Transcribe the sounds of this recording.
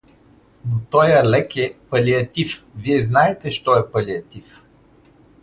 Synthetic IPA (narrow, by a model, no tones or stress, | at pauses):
not̪ɔjɐlɛkɛpɐlʲiɐt̪ifviɛznaɛt̪ɛʃt̪ɔɛpɐliɐt̪if